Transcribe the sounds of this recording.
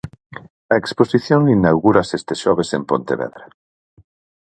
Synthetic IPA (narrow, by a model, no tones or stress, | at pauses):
ɐeksposiθjoŋlinawɣuɾasest̪eʃɔβesempo̰nt̪eβɛ̰ðɾa